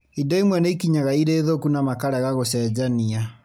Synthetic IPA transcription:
idaimwɛnɛikiɲaɣaiɾeːðokunamakaɾɛɣaɣosɛd͡ʒania

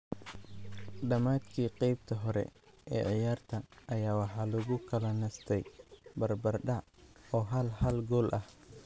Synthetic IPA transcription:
ɖɐmaːd̪kʰiːqɛjb̚t̪ʰɐɦɔɾɛ̰ʔɛːʕɪjaːrt̪ʰɐːjaːwɑħɑːlʊɣʊkʰɐlɐnɐst̪ʰɛjbɐrbɐrɖɑʕ | ɔːɦɐlhɐlɡɔːlʔɐh

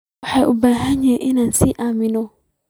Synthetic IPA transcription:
ɔhɛʔubaːɦãɲɛ̃ʔɪnãnsiʔamĩnɔ̃

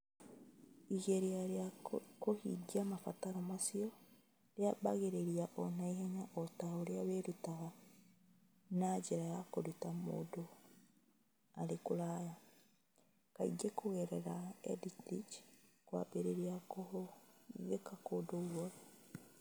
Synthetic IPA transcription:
iɣeɾiaakohiɡiamafataɾomasio | ɾjabaɣeɾeɾiaʔɔn̥aiheɲaʔotahoɾjaβeɾutaɣa | nad͡ʒeɾajakoɾutamo̰ːdo | aɾekuɾaːja | kaḭɡekoɣeɾeɾaḛdiktit͡ʃ | kwa̰beɾeɾiao | βekakodoɣwa

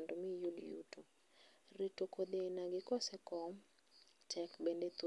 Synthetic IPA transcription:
ndomijudjṵto | ritokod̪enaɡɪkɔsɛkɔm | t͡ʃɛkbɛndet̪u

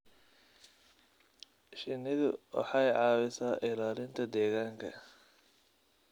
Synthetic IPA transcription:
ʃɪnːɪðʊwɑ̰ħɑjʕɑːwɪsaːʔɪlaːlɪnt̪ʰɐd̪ɛːɣaːŋkʰɐ̰

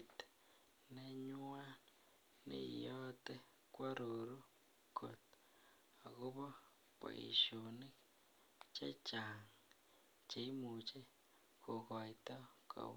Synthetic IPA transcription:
te̥ | neɲua | nḭjote | kwaɾuɾu | kot | akuβo | kwa̰ḭʃuni | t͡ʃat͡ʃaŋ | t͡ʃeimut͡ʃe | kukaitako̰

